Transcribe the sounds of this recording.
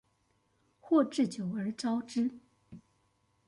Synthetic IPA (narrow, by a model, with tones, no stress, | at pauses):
xwɔ˥˧ʈ͡ʂɻ̩˥˩t͡ɕjo˨˩ʊə˞˧˥ʈ͡ʂɑ˥ʊʈ͡ʂɻ̩˥